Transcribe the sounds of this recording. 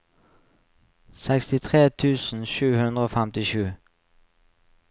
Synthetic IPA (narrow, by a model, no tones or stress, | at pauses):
sɛkst̪ɪt̪ʰʁeːt̪ʰʉːsn̩ʃʉːhʉnd̪ʁəoːfæmt̪ɪʃʉː